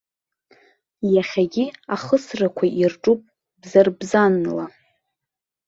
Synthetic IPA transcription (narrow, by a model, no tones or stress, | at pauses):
jaχʲaɡʲiaχəsrakʷʰaʔirʈ͡ʂʼupʼ | bzarbzanla